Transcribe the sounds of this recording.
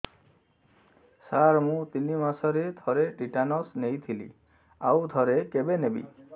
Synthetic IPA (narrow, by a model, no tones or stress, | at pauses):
saɾmũt̪inimasɔɾed̪ʱɔɾeʈiʈanɔsnejt̪ʰilḭ | awd̪ʱɔɾekebenebḭ